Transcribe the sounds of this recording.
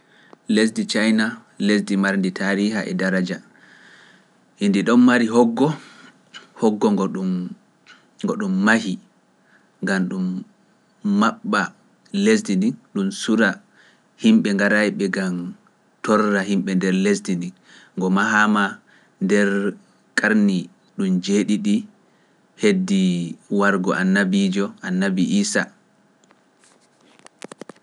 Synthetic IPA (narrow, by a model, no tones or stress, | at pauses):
les̬dit͡ʃajna | les̬dimaɾnditʰaːɾiɦaʔɛ̰daɾad͡ʒa | hindiɗɔnmaɾiɦɔɡːɔ | hɔɡːɔɡɔu | ŋɡɔɗumːahi | ŋɡamɗumː | aɓːa | lesdindinɗumsuɾa | himɓɛŋɡaɾajɓɛɡam | tɔɾːahimɓɛndɛɾlesdindiŋː | ɡɔmaɦama | ndɛɾ | kʼaɾni | ɗumd͡ʒeɗiɗi | hedːiwaɾɡɔʔanːabid͡ʒɔʔanːabiʔiːsa